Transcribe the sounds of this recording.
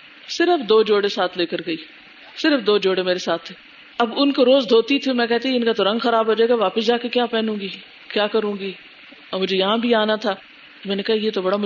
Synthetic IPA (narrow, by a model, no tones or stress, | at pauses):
sɪɾəfd̪oːd͡ʒoːɽesaːt̪ʰleːkəɾɡɐiː | sɪɾəfd̪oːd͡ʒoːɽemeːɾesaːt̪ʰːeː | ɐbʊnkoɾoːzd̪ʱoːt̪it̪ʰimɛ̃kɛɦt̪aɪnkat̪oɾɐ̃ŋɡxɐɾaːbʱɦoːd͡ʒaːeːɡaʋaːpəsd͡ʒaːkekjaːpɛːnũːɡiː | kjaːkɐɾũːɡiː | ɔmʊd͡ʒʱejɐɦãbʱiaːnat̪ʰaː | t̪omɛ̃ːnekaɦajeːt̪obɐɽamʊ